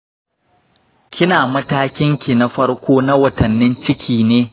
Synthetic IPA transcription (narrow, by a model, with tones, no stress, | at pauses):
kʲɪ˦naː˨mɐ˦taː˦kʲɪ˦ŋkʲi˨na˦ɸɐ˦ɽkʷoː˦na˦wɐ˨tɐ˨nːɪ˦nt͡ʃɪ˦kʲʰiː˨neː˦